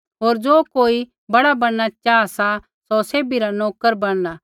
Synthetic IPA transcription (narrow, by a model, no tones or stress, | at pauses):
ɦoːɾd͡ʒoːkoːi | bɐɽabɐɽ̃nat͡ʃaːsa | soseːbiɾanɔːkəɾbɐɽ̃na